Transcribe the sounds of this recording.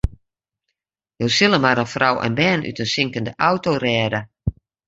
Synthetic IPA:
joːsɪləmaɾənfrawʔɛ̰nbɛːnʔy̰tənsɪŋkəndəʔawtorɛːda

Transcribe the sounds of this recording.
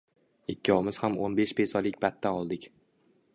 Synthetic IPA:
ɪkʲːɒwmɪz̥hamonbeʃpʰesɒlɪk̚ʲbat̪ʰːanɒlˠd̪ɪkʲ

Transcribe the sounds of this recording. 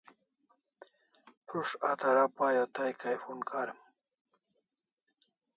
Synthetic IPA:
pʰɾuʂat̪ɐɾapaːjot̪ajkajfunkaɾem

